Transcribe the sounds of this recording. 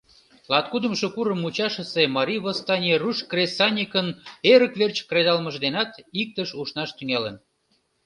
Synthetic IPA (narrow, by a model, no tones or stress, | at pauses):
lɑt̪̚kud̪əmʃokuɾəmut͡ɕɑʃə̆semɑɾʲiβost̪ɑnʲeruʃkresɑnʲikəneɾəkβert͡ɕkred̪ɑlməʒd̪enɑt̪ik̚t̪əʃuʃnɑʃt̪yŋɑlə̰n